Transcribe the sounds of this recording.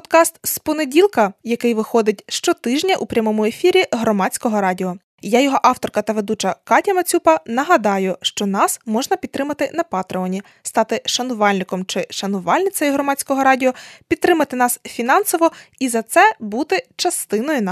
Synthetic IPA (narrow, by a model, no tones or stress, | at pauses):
pd̪kɑst̪spɔnedʲilˠkɐjɐkɪjʋɪxɔd̪ɪt̚ʲʃt͡ʃɔt̪ɪʒnʲɐʔupɾʲɐmɔmʊe̞fʲiɾʲiɦɾɔmɑt͡sʲkɔɦɔɾɑdʲiɔ | jajɔɦɔʔɑwt̪ɔrkɐt̪ɐʋed̪ut͡ʃɐkɑtʲɐmɐt͡sʲupɐnɐɦɐd̪ɑjʊʃt͡ʃɔnɑsmɔʒnɐpʲid̪̚t̪ːɾɪmɐt̪ɪnɐpɑt̪ɾeɔnʲi | st̪ɑt̪ɪʃɐnʊʋɑlʲnɪkɔmt͡ʃɪʃɐnʊʋɑlʲnɪt͡sʲɐjiɦrɔmɑt͡sʲkɔɦɔɾɑdʲiɔpʲid̪̚t̪ɾɪmɐt̪ɪnɑsfʲinɑnsɔʋɔizɐt̪sɛbut̪ɪt͡ʃɐst̪ɪnɔjʊn